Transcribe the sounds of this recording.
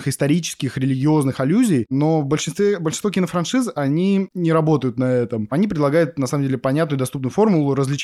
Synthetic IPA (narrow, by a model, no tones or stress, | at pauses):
xɨst̪ɐɾʲit͡ɕɪ̥skʲɪxɾʲɪlʲɪɡʲɪo̞znɨxɪlʲuzʲɪjno̞vbəlʲʂɨnst̪vʲebəlʲʂɨnt̪vokʲɪnəfɾɐnʂɨzɐnʲinʲɪɾɐbo̞t̪əjʊt̪nɐɛt̪əmɐnʲip̬ɾʲɪd̪lˠɐɡajʊt̪̚nɐsaməmdʲelʲɪpɐnʲat̪nʊjʊd̪ɐst̪upnʊjʊfo̞rmʊlˠʊɾəzlʲɪt͡ɕ